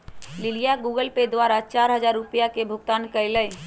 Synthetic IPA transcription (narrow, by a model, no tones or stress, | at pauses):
lɪlɪjaɡuːɡəlped̪waːɾat͡ʃaːɾɦəzaːɾːʊpijakebʱʊɡt̪aːnkəɪləj